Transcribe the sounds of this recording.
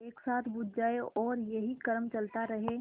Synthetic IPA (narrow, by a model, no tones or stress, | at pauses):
eːksaːt̪ʰbud̪̚d͡ʒaːeɔːɾjɐɦikəɾmt͡ʃəlt̪aɾəɦe